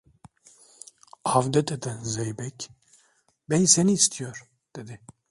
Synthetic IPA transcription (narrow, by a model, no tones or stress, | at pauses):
avd̪ɛt̪ɛd̪ɛnzɛjbɛkʲ | bɛjsɛnist̪ʰijoɾ | d̪̥ɛd̪ɛ